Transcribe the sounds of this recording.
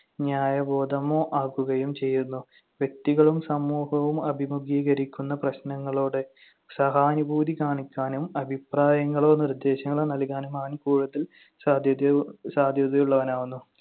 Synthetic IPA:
ɲaːjɐbo̞ːd̪ɐmo̞ːʔaːkuɣɐjumt͡ɕe̞jːunːu | ʋjek̚t̪iɣɐɭumsɐmːuːhɐʋumɐbʱimuɡiːɣɐɾikʲːunːɐprɐɕnɐŋːɐɭoːɽɨ | sɐɦaːnubʱuːd̪ikaːɳikʲːaːnumɐbʱipraːjɐŋːɐɭo̞ːnird̪e̞ːɕɐŋːɐɭoːnɐlkaːnumaʋɐnkuːɻuðɐl | saːd̪ʱjɐd̪ɐjuɭːɐʋɐnaːʋunːu

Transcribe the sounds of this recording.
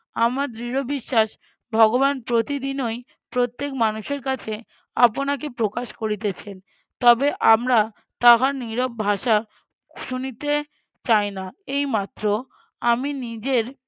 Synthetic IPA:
amaɾd̪ɾiɾobiʃːaʃ | bʱɔɡobanpɾot̪id̪inoj | pɾot̪ːekmanuʃeɾkat͡ɕʰe | a̰ponak̬epɾokaʃkoɾit̪et͡ɕʰen | t̪ɔbeʔamɾa | t̪aɦaɾniɾob̚bʱaʃa | ʃunit̪e | t͡ɕajnaejmat̪ːɾo | aminid͡ʑeɾ

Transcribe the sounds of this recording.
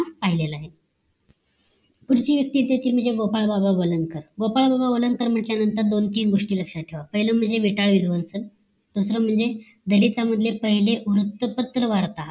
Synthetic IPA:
paɦilelaːɦe | kuɽt͡ɕiːʋjək̚t̪it̪eet̪iːlm̤əɳd͡zeɡopaɭbabaʋələŋɡkəɾɡopaɭbabaʋələŋɡkəɾm̤əʈljanənt̪əɾd̪ont̪iːnɡoʂʈiːləkʂaʈʰeʋapəɦiləm̤əɳd͡zeʋiʈaɭʋid̪ʱʋənsən | d̪usɾəm̤əɳd͡ze | d̪əlit̪aməd̪ʱljepəɦileʔuɾut̪ːəpət̪ːɾəʋaɾt̪a

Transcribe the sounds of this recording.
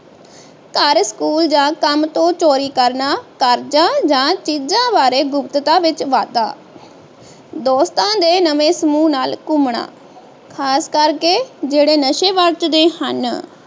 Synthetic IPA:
kəɾskuːld͡ʒãːkəmt̪õːt͡ʃoːɾiːkəɾnaːkəɾd͡ʒãːd͡ʒãːt͡ʃiːd͡ʒãːbaːɾeːɡʊpt̪t̪ãːʋɪt͡ʃʋaːd̪a̰ː | d̪oːst̪ãːd̪eːnəʋẽːsəmuːnaːlkʊmɳa̰ː | kʰaːskəɾkeːd͡ʒeːɽeːnəʃeːʋəɾt͡ʃd̪eːhə̰n

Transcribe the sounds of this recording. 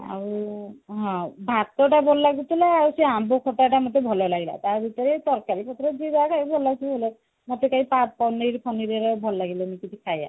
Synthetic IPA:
a̰ɹuɦɔ̃bʱatːɔʈabʱɔllaɡut̪ilaaɹuseambɔkʰɔʈaʈamɔt̪ebʱɔlɔjlaɡila̰taɹbit̪ɔɹɛsɔɹkaɹipɔt̪ɔɾɔzizakʰajbbʱɔllasibolɛ | mɔt̪ekaipat̚pɔniɹpʰɔniɾɛɾɔbʱɔlːaɡilɛnikitikʰaja̰

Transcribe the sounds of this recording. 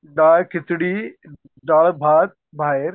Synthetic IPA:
ɖaːlkɪt̪ɪɽi | ɖaːlbʱaːd̪̚ | bʱaːɦɪɾ

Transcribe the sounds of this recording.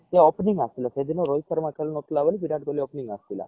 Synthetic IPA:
eopniŋɡast̪ilased̪inoɾojsəɾmãkʰeɭunot̪laʋəlipiɾaʈ̚koliopniŋɡast̪ila̰

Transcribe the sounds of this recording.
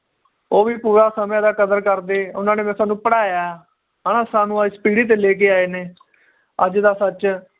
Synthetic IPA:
oːʋiːpuːɾaːsəmjãːd̪aːkəd̪əɾkəɾd̪eːʊnãːneːmɛ̃ːsaːnũːpəɽaːjaː | ɦaːnãːsaːnũːaɪspiːɽiːt̪̬eːleːk̬eːaːeːneː | əd͡ʒd̪aːsət͡ʃ

